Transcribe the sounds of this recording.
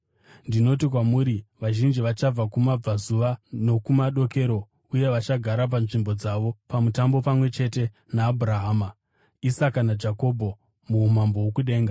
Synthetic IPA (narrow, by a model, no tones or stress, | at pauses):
ndino̞tik̬wamuːɾiʋaʒind͡ʒiʋat͡ʃab͡vakumab͡vazuʋano̞kumaɗo̞ke̞ɾo̞ | uje̞ʋat͡ʃaɡʱaɾap̬anʐimbo̞d͡zaʋo̞pamutambo̞pamwe̞t͡ʃe̞te̞ | naːbʱuɾaɦaːma | isakanad͡ʒako̞bʱo̞ | muːm̤ambo̞wokuɗe̞ːŋɡa